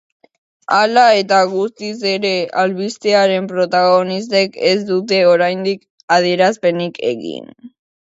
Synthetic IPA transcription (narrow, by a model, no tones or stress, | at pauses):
alae̞t̪aɣust̪is̬e̞ɾe̞alβist̪eaɾe̞mpɾo̞t̪aɣo̞nist̪e̞kezd̪ut̪̬e̞o̞ɾajnd̪ik | að̞ie̞ɾaspe̞nikʰe̞̰ɣḭn